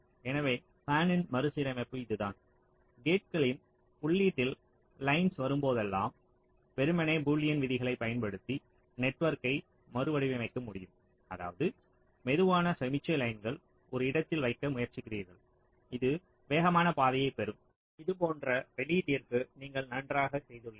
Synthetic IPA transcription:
ɛnɐʋeː | faːnɪnmɐɾɯsɪɾɐmɛpːɯɪðɯðaːn | ɡeːʈ̚kɐɭɪm | ʊɭːiːʈːɪl | lɐɪnsʋɐɾɯmpoːðɛlːa̰ːm | pɛɾɯmɐneːbuːlɪjɐnʋɪðɪɣɐɭɐɪpːɐjɐnpɐɽɯt̪ːi | nɛʈːʋɐɾkɐɪ | mɐɾɯʋɐɽɪʋɐʋɐɪkːɐmʊɽɪjɯm | ɐða̰ːʋɐðɯ | mɛðɯʋaːnɐsɐmɪt͡ʃːɐlɐɪnɡɐɭ | ʔɔɾɯɪɽɐt̪ːɪlʋɐɪkːɐmʊjɐɾt͡ʃɪkːɪriːɾɣɐɭ | ɪðɯ | ʋeːɣɐmaːnɐpaːðɐjɐɪpɛɾɯm | ɪðɯp̬oːndrɐʋɛɭiʈːiɐrkɯniːŋɡɐɭnɐndraːɣɐsɛjðɯɭːɐ

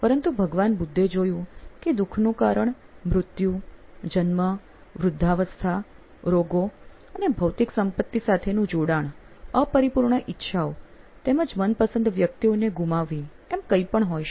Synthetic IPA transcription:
pəɾənt̪ubʱəɡʋanbud̪ʱːed͡ʒojũked̪ukʰnũkaɾəɳ | mɾʊt̪jud͡ʒənmə | ʋɾʊd̪ʱːaʋəst̪ʰa | ɾoɡo | ənebʱəwt̪iksəmpət̪ːisat̪ʰenũd͡ʒoɽaɳ | əpəɾipuɾɳəʔɪtːʃʰao | t̪eməd͡ʒmənpəsənd̪ʱʋjək̚t̪ioneɡumaʋːi | ɛmkəipəɳɦojʃ

